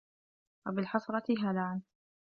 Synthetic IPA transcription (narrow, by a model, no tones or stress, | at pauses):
wabɪlħɑsˤɾˤɑt̪ɪɦalaʕan